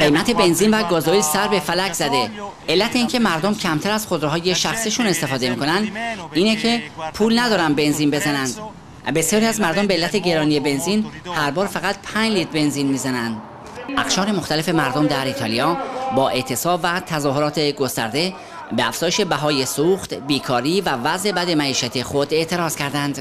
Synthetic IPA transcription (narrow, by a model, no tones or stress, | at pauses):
ɢe̞jmæt̪ʰe̞be̞nziːnvæɡɒːzoilsæɾbe̞fælæczæd̪e̞ | e̞lːæt̪ʰeiːncʰe̞mæɾd̪omcʰæmt̪ʰæɾæz̥χo̞d̪ɾeɦɒːje̞ʃæxsiːʃune̞st̪e̞fɒːd̪e̞miːkʰo̞nænd̪iːnecʰe̞pʰuːlnæd̪ɒːɾænbe̞nziːnbe̞zænænd̪̥ | be̞sjɒːɾiæzmæɾd̪ombeeːlːæt̪ʰe̞ɟe̞ɾɒːnije̞be̞nzinhæɾbɒːɾfæɣæt̪̚pʰæɲd͡ʒliːt̪̚be̞nziːnmiːzænænd̪ | ʔæχʃɒːɾe̞moxt̪æle̞fe̞mæɾd̪omd̪æɾiːt̪ʰɒːlijɒːbɒːʔe̞ʔt̪ʰe̞sɒːbvæt̪ʰæzɒːho̞ɾɒːt̪ʰe̞ɡo̞st̪æɾd̪e̞ | beæfz̥ɒːjeʃe̞bæɦɒːje̞suːxt̪biːkʰɒːɾiːvævæzʔe̞bæd̪e̞mæiːʃæt̪ʰexod̪e̞ʔt̪ʰe̞ɾɒːz̥cʰæɾd̪ænd̪̥